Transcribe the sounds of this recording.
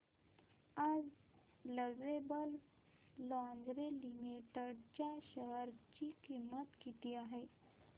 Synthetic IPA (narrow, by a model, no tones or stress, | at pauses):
ad͡z | ləɡʋebəl | lɔãnd͡ʑɾelimiʈəɽt͡ɕjaɕəɦəɾt͡ɕikimːət̪kit̪iːaɦe